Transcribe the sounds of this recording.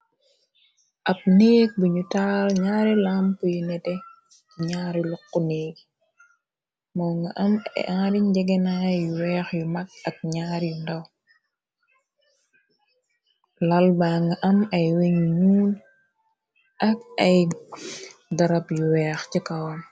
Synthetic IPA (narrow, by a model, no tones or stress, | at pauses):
ʔɐp̚neːk̚buɲutaːlɲaːɾilamkujunɛdɛ | ɲaːɾjulɔkːuneːk | mɔːŋɡɐʔɐmɐ̰jʔãːɾiɲd͡ʒɛɡɛnajuwɛːxjumɐk̚ɐk̚ɲaːɾjundɐw | lɐlbaːŋɡɐʔɐmɐjweɲuɲuːn | ʔɐkɐj | dɐɾɐpjuwɛːxcikɐwn